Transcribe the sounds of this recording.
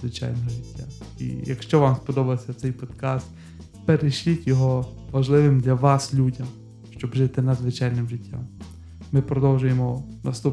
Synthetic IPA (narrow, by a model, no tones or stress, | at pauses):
zʋɪt͡ʃa̰jnɔɦɔʒɪtʲːaḭjɐkʃt͡ʃɔʋamspɔd̪ɔbɐsʲɐt̪sɛjpɔd̪kast̪ | peɾeʃlʲitʲjɔɦɔʋɐʒlˠɪʋɪmd̪lʲɐʋɑslʲudʲɐm | ʃt͡ʃɔbʒɪt̪ɪnɐd̪zʋɪt͡ʃajnɪmʒɪtʲːa̰mː | ɪpɾɔd̪ɔwʒʊjemɔnɐst̪up